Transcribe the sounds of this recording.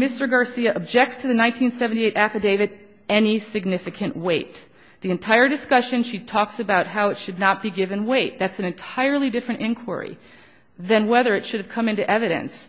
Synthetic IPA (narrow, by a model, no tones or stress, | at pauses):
mɪstə˞ɡɑɹsiɨʔəb̚d͡ʒɛk̚tstʰɨðɨnãɪ̃ntʰĩnsɛvn̩tieɪɾʔæfɨdeɪvɨɾ | ɛnisɨɡ̚nɪfɨkʰɨ̃nʔweɪt̪̚ | ðiɨ̃ntʰaɪə˞dɨskʌʃɨ̃nʃitʰɔksɨbaʊt̚ɦaʊɨtʃɨdⁿnət̚b̥iɡɪvɨ̃nweɪt̪̚ðætsn̩ɨ̃ntʰaɪə˞lˠidɪfɹɨ̃ñʔɪ̃nkʰw̥ə̰˞ḭ | ðɨ̃nwɛðə˞ɨtʃʊɾɨv̥kʰʌ̃mɪ̃ntʉʔɛvɨɾɨ̰̃ns